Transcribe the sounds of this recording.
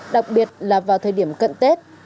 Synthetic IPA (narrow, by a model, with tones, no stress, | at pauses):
ɗa˨˩k̚ɓi˨˩ət̚laː˨˩vaː˨˩wt̪ʰəː˨˩jɗi˧˩əmkə̰˧˨nt̪e˦˥t̚